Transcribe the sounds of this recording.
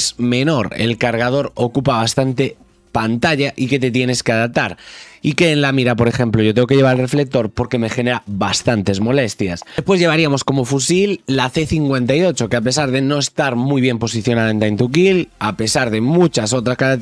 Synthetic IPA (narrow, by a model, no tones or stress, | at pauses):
sme̞no̞ɾḛlkaɾɣ̞að̞o̞ɾo̞kupaβ̞ast̪ant̪e̞ | pant̪aʝaʔike̞t̪e̞t̪je̞ne̞skeað̞ap̚t̪aɾike̞ːnlamiɾapo̞ɾe̞xẽ̞mploʝo̞t̪eŋɡo̞keʝe̞βaɾalre̞fle̞k̚t̪o̞ɾpo̞ɾke̞me̞xe̞ne̞ɾaβast̪ant̪e̞zmo̞le̞st̪jaspweʝe̞β̞aɾiamo̞sko̞mo̞fusilːaθe̞θiŋkwe̞nt̪ajo̞t͡ʃo̞keap̬e̞saɾðe̞no̞e̞st̪aɾmujβ̞je̞mpo̞siθjonaðoent̪ajnt̪uk̬ilape̞saɾðe̞mut͡ʃaso̞t̪ɾaska